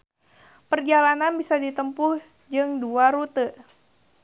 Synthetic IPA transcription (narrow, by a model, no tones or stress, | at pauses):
pərd͡ʒalananbisadit̪əmpʊh | d͡ʒɨŋduaɾut̪əʔ